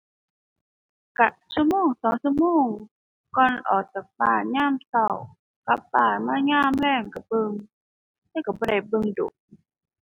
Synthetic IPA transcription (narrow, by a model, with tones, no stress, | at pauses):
ka˧˩ʔsu˧muː˧˥˨ŋsɔː˨˦ŋsu˧˨muː˧˩˨ŋ | kɔː˧˨nʔɔ̰ː˨˩k̚ta˨˩k̚baː˧˩ɲaː˧˥˨msa˧˩w | ka˧˦p̚baː˧˩maː˧˥˨ɲaː˧˨mlɛː˧˩˨ŋka˨˩b̥ɤ˧˨ŋ | t̪ɛː˧˨ka˨˩bɔː˧˨da˧˩jbɤ˧ŋdo̰˨˦k̚